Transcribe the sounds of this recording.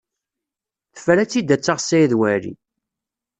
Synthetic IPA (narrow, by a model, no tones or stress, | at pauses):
θəfælæt͡sːid̪æt͡sːaʁsæjiðwæɾḭ